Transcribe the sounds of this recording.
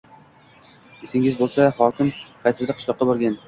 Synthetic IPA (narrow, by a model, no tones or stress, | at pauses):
esɪŋɪzbolˠsahɒkʲɪmqʰɑjsɪzd̪ɪqʰːʊ̥ʃlˠɒqːɑboɾɡʲan